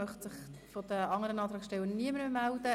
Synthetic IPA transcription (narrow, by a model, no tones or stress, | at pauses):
œχtsɪχfɔd̥̪əɑŋːəɾənɑːt̪ɾɑːkʃtɛlːəniəməɾmemæld̥ə